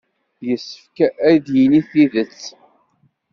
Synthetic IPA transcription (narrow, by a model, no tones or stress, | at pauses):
jəsːə̥fkææjd̪jiniθiðət͡sː